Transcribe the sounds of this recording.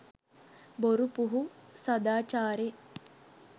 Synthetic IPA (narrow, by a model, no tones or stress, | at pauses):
boɾupuɦusɐd̪aːt͡ʃaːɾe